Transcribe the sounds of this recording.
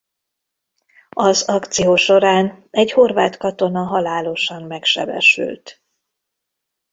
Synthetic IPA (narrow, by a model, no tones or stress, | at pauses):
ɒzɒkt̪sijoːʃo̞ɾaːnɛɟho̞rvaːt̪kɒt̪o̞nɒɦɒlaːlo̞ʃɒmmɛkʃɛ̰bɛ̰ʃy̰lt̪